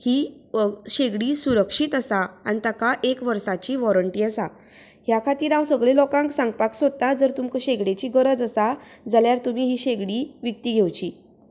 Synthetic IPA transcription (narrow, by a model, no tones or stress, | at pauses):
hiː | ɕeɡɽiːsuɾəkʂiːt̪əsaanit̪akaʔekʋəɾsat͡ɕiːʋɔɾəɳʈiːəsa | hjakʰat̪iːɾãwsəɡɭelɔkãŋksãŋɡpaksod̪̚t̪ad͡zəɾt̪umkəɕeɡɽet͡ɕiːɡəɾəd͡zəsad͡zaljaɾt̪um̤iːɦiːɕeɡɽiːʋjək̚t̪iːɡʱewt͡ɕiː